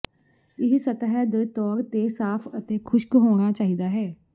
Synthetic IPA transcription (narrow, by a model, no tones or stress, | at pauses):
ɪɦsət̪ɦɛd̪et̪ɔːɾt̪eːsaːpʰət̪eːkʰʊʃkɦoːɽ̃aːt͡ʃaːɦid̪aːɦɛː